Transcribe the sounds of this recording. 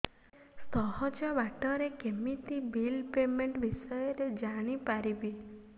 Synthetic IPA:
sɔɦɔd͡ʒɔbaʈɔɾekemit̪ibilpemeɳʈʋisɔjɔɾed͡ʒaɽ̃ipaɾibi

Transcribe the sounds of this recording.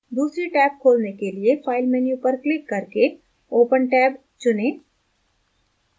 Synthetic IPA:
d̪uːsɾiʈɛːb̚kʰoːlnekeliefʰaːɪlmɛnjupəɾklɪkːɐɾke | oːpənʈɛːb | t͡ʃʊnẽː

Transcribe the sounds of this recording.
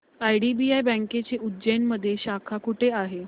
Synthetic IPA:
ajɖibiajbə̃ŋket͡ɕeʔudd͡ʑəjnməd̪ʱːjeɕakʰakuʈʰeaɦe

